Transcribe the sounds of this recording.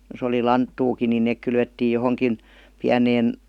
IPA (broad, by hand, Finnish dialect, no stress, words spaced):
jos oli lɑntːuːkin nin̆ neˑk kylʋetːiːj johoŋkin piæneːn